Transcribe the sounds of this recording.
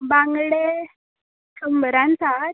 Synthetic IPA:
bãŋɡɽe | kʰəmbəɾãnt͡sat̪

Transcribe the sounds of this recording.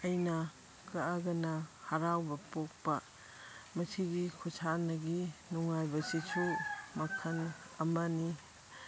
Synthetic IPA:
ɐjnɐ | kɐaɡɐnɐhɐɾawbɐpok̚pɐ | mɐsiɡikʰusʰanɐɡinuŋajbɐsisʰumɐkʰɐn | ɐmani

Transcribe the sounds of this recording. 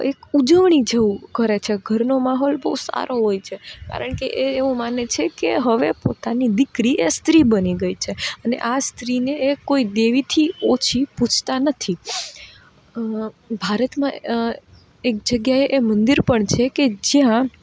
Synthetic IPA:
ekud͡ʒəʋɳid͡ʒəukəɾet͡ʃʰeɡʱəɾnomaɦɔlbəusa̰ɾʔoɦojt͡ʃʰeka̰ɾəɳkeʔeeʋũmanet͡ʃʰekeɦəʋepo̰t̪anid̪ɪkɾiʔest̪ɾibəniɡəit͡ʃʰeənḛʔast̪ɾineekoid̪eʋit̪ʰiot͡ʃʰiput͡ʃʰt̪anət̪ʰi | bʱaɾət̪mã | ek̚d͡ʒəɡjaeʔemənd̪iɾpəɳt͡ʃʰeked͡ʒjã

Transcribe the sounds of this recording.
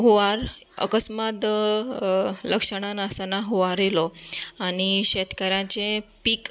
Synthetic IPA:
ɦoʋaɾ | ə̰kəsmat̪ | ləkʂəɽ̃anasənaɦoʋaɾelɔaɽ̃iɕet̪kəɾjãt͡ɕepiːk

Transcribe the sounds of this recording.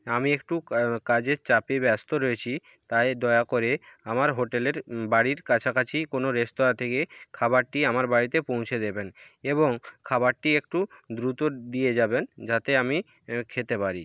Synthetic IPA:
amiekʈukad͡ʑeɾt͡ɕapebɛst̪oɾoet͡ɕʰi | t̪ajd̪ɔeakoɾeamaɾɦoʈeleɾbaɽiɾkat͡ɕʰakat͡ɕʰikonoɾest̪oɾat̪ʰekekʰaβaɾʈiamaɾbaɽit̪epõw̃t͡ɕʰed̪eben | eβoŋkʰaβaɾʈiek̚ʈud̪ɾut̪od̪ied͡ʑabend͡ʑat̪eami | kʰet̪epaɾi

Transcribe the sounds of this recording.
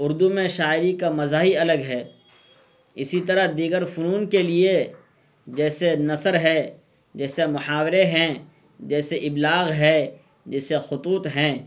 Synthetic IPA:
ʊɾd̪umẽʃaːɪɾikamɐzaːɦiɐləɡɦɛː | ɪsit̪ɐɾaɦd̪iːɡəɾfʊnuːnkelie | d͡ʒɛːsenɐsəɾɦɛː | d͡ʒɛːsemʊhaːwɾeɦɛ̃ | d͡ʒɛːseʔɪblaːɣɦɛ̃ː | d͡ʒɛːsexʊt̪uːt̪ɦɛ̃ː

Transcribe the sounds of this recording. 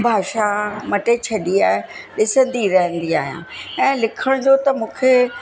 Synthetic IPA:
bʱaːʃamɐʈet͡ɕʰɐɗiaːɦeɗɪsə̃nd̪iɾɐɦə̃nd̪ia̰ːɦijã̰ːɛ̃ːlɪkʰəɽ̃d͡ʑot̪ɐmũːkʰeː

